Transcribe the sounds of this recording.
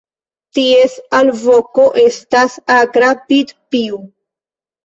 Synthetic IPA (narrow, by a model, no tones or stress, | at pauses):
t̪iesalvokoʔest̪asaɡɾapid̪piu